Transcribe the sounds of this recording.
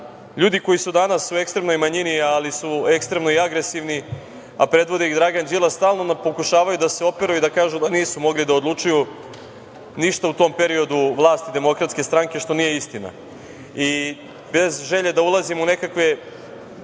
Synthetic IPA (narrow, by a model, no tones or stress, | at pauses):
ʎuːd̪iko̞jisud̪anasue̞kst̪ɾemno̞jmaɲinialisue̞kst̪ɾe̞mnoiaɡɾe̞siʋni | a̰pɾe̞d̪ʋo̞d̪eiɣd̪ɾaːɡand͡ʒilˠast̪aːlˠno̞napo̞kuʃaːʋajud̪ase̞o̞pe̞ɾuuid̪akaːʒud̪aniːsumo̞ɡlid̪aod̪lˠut͡ʃuju | niʃt̪aut̪o̞ːmpe̞ɾio̞d̪uʋlˠaːst̪id̪e̞mo̞kɾat̪ske̞st̪ɾaŋke̞ʃt̪o̞nije̞ist̪ina̰ | i | be̞zʒe̞ʎe̞d̪aulˠazimune̞kakʋe̞